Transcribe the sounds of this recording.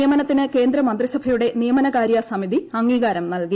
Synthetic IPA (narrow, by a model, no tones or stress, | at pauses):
jɐmɐnɐt̪ːinɨke̞ːnd̪ɾɐmɐnd̪risɐbʱɐjuɽe̞nijɐmɐnɐkaːɾjɐsɐmid̪iɐŋːiːɡaːɾɐmnɐlki